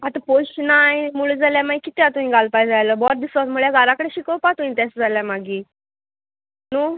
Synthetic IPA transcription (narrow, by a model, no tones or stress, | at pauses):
at̪apoɕnajmuɭed͡zaljamaɡikit̪eat̪umĩɡalpajd͡zajləbɔɾd̪isʋasmuɭjaɡaɾakəɽeɕikəwpat̪uĩt̪asd͡zaljamaɡiː | nu